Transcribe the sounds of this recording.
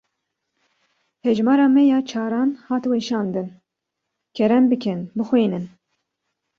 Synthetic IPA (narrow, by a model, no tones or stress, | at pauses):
hɛʒmɑːɾɑːmɛjɑːt͡ʃʰɑːɾɑːnhɑːt̪wɛʃɑːnd̪ɨn | kʰɛɾɛnbɨkʰɛnbɨxweːnɨn